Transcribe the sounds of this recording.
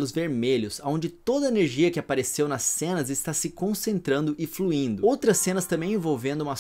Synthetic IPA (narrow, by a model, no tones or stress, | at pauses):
lʊzveɾmeʎʊsaõd͡ʒɪt̪od̪ɐeneɾʒiɐkɪapaɾesewnɐsːẽnɐzɪst̪asɪkõsẽnt̪ɾɐ̃nd̪ʊʔɪfluĩnd̪ʊowt̪ɾɐsːẽnɐst̪ɐ̃mbẽj̃ẽvowvẽnd̪ʊũmɐ